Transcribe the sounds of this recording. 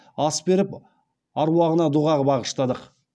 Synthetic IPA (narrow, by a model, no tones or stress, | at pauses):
ɑsbeɾɪp | ɑɾwɑʁənɑd̪uʁɑʁəbɑʁəʃt̪ɑd̪əq